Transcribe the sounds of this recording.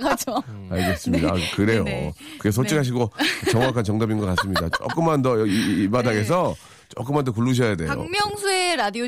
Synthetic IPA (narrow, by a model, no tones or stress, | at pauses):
ad͡ʑoaɭɡe̞s͈ɯmɲida̰kɯɾe̞jo̰kɯɡes̬ʰot͡ɕʰikʰɦaɕ̬ʰiɡot͡ɕʌŋwakʰant͡ɕʌŋdʌbinɡʌk͈ats͈ɯmɲidat͡ɕ͈o̰k͈ɯmandʌiibadaɡe̞s̬ʰʌ | t͡ɕok͈ɯmːandʌk̬uɭːuɕ̬ʰʌjade̞jo̰mjʌŋsʰueɾadio